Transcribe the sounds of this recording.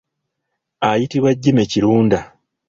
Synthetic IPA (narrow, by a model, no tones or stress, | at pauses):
ajitiβwaɟːimeciɾuːnda